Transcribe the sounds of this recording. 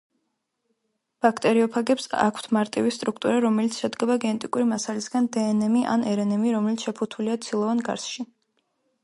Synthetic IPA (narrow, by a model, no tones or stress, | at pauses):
b̥akʰt̪ʼɛɾiɔpʰaɡɛpsa̰kʰt̪ʰmaɾt̪ʼḭvist̪ʼɾukʰt̪ʼuɾaɾɔmɛlit̪sʰʃɛd̪ɡɛbaɡɛnɛt̪ʼikʼuɾimasalisɡand̪ɛːnɛmiʔa̰nɛɾɛnɛmiɾɔmɛlit̪sʰʃɛpʰut̪ʰuliat̪sʰilˠɔvanɡa̰ɾsʃi